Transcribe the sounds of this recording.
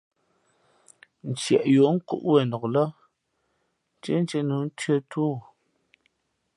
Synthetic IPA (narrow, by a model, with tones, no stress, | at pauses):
n̩˨t͡ʃjɛ˨ʔjo˨˦ŋ̩˦kṵ˦ʔwɛ˨nɔ˨klə˦ | n˦t͡ʃe˦n˦t͡ʃe˦nu˨˦n̩˦tɥe˦tʰuː˦˨